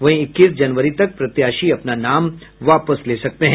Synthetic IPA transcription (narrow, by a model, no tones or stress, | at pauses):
ʋɐ̃ɦĩɪkːiːsd͡ʒɐnʋəɾit̪ɐk̚pɾɐt̪jaʃiɐpnanamʋapəslesɐk̚t̪eɦɛ̃